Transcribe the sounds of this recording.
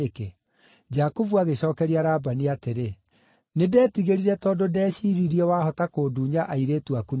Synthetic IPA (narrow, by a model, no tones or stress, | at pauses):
ke | d͡ʒakovuaɣeɕɔːkɛɾiaɾaːbaniateɾe | nedɛːtiɣeɾiɾɛtɔːdodɛːɕiːɾiɾiɔwaːhɔtakoːduɲaʔaiɾeːtuakun